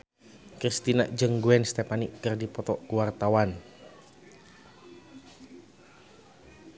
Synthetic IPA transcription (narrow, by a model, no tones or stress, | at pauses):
kɾist̪ina̰ʔd͡ʒəŋɡuɛnst̪ɛpaniʔkərdipɔt̪ɔkuwart̪awan